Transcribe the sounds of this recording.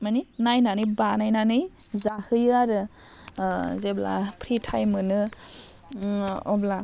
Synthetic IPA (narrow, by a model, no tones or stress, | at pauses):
maninajnanɯjbanajnanɯj | zahɯjɯaɾɯ | zebla̰pʰɾitʰajmɯnɯ | ɔbla